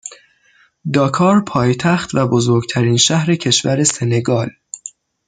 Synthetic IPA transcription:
d̪ɒːkʰɒːɾpʰɒːjet̪ʰæxt̪væbo̞zo̞ɾɡt̪ʰæɾiːnʃæhɾe̞cʰe̞ʃvæɾe̞se̞ne̞ɡɒːl

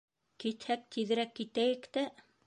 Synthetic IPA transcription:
kit̪hæk̚t̪ʰiðɘ̆ɾækːit̪æjɘkt̪æ

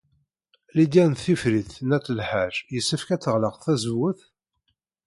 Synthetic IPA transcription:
lid̪jænθifɾiθnæt͡sːəlħaɾjəsːəfkæt͡sːəʁləqθæzəwːəθ

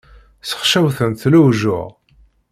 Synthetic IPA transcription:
sə̥χʃæwθənθluwʒʊ̰ʁ

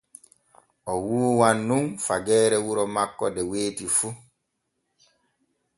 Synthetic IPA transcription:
ʔɔwuːwanːumfaɡɛːɾɛwuɾɔmakːɔdɛweːtifu

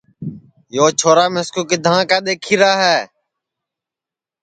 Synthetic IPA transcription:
joːt͡ʃʰoːɾaːmɪskoːkɪd̪ʱãːkaːɗ̪eːkʰiːɾaːɦɛː

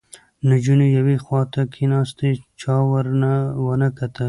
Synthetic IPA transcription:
nad͡ʒunojawexwɑt̪akʰinɑst̪et͡ʃɑwəɾnawənəkat̪ə

